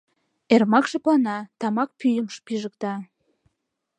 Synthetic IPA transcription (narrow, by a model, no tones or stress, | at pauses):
ermɑkʃeplɑnɑt̪ɑmɑk̚pyjəmʃpiʒəkt̪ɑ